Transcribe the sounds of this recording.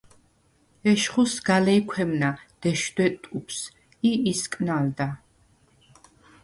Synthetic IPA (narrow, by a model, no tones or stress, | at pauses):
ɛʃχusɡ̥alɛikʰwɛmnad̪̥ɛʃd̪wɛt̪ʼupʰs | iiskʼnald̪a